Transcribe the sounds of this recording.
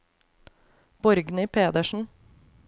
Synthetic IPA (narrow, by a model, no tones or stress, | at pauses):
b̥ɔɾɡnɪpʰeːd̪əʃn̩